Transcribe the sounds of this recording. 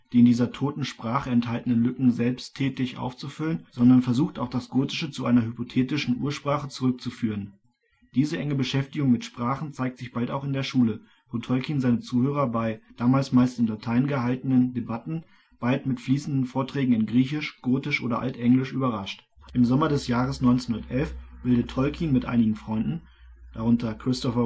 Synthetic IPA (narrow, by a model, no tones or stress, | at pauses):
d̥iːɪndiːzɐtʰoːtn̩ʃpʁ̥aːχəɛnthaltənənlʏkŋ̩zɛlpstʰːɛːtɪçʔa̰ʊft͡sufʏlənz̥ɔndɐnfɛɐzuːxtaʊxd̥asɡ̥oːtɪ̥ʃət͡suʔaɪnɐhypotʰeːtɪʃn̩ʔṵːɐʃpʁ̥aːχət͡suʁʏk̚t͡sufyːʁən | d̥iːzəʔɛŋəbəʃɛftɪɡʊŋmɪtʃpʁ̥aːχn̩t͡saɪk̚tz̥ɪçb̥altaʊxɪndeːɐʃuːlə | botʰɔlkiːnzaɪnət͡suːhøːʁ̞ɐbaɪd̥aːmaːlsmaɪlstɪnlatʰaɪnɡəɦaltənəndebatn̩ | b̥altmɪtfliːsn̩dn̩foːɐtʁ̥ɛːɡŋ̩ɪnɡʁiːçɪʃɡ̥oːtɪʃʔo̰ːdɐʔa̰ltʔɛŋlɪʃʔyːbɐʁaʃt | ʔɪmzɔmɐdɛsjaːʁəsnɔʏnt͡senhundɐtʔɛlfb̥ɪldətʰɔlkʰiːnmɪtʔa̰ɪnɪɡŋ̩fʁ̥ɔʏndn̩ | d̥aʁ̞ʊntɐkʁ̥ɪstɔfɐ